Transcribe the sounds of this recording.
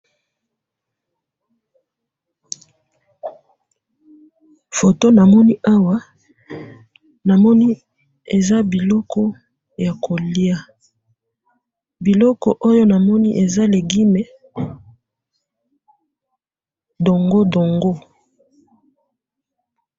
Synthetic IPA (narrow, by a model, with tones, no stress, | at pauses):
fo˨to˦na˨mɔ˦ni˦ʔa˦wa˦ | na˨mɔ˦ni˦ | e˨za˦bi˨lɔ˦kʰɔ˦ | ja˨ko˨li˦a˦ | bi˨lɔ˦kɔ˨ʔo˦jo˦na˨mɔ˦ni˦ʔe˨za˦le˨ɡi˦me˨ | do˨ŋɡo˦do˨ŋɡo˦